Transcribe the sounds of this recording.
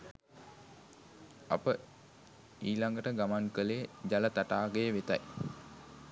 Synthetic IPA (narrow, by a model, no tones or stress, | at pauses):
a̰pə | iːlaŋɡəʈəɡamaŋkəlejəd͡ʑalət̪aʈaːɡəjəʋet̪a̰j